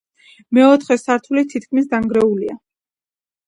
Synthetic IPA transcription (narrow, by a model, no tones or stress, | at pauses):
mɛɔt̪ʰχɛsaɾt̪ʰulit̪ʰit̪kʰmis̬d̪aŋɡɾɛulia